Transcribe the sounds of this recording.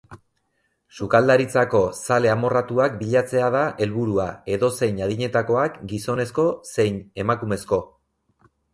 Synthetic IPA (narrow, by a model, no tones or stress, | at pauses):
sukald̪aɾit͡sako̞sale̞amo̞rat̪uakbiʎat͡se̞að̞aʔe̞lβuɾuae̞ðo̞se̞jɲaðiɲe̞t̪ako̞akɡiso̞ne̞sko̞se̞jne̞makume̞sko̞